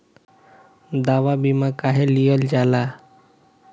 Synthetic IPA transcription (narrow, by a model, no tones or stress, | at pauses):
d̪aʋabimakaɦelijəld͡ʒala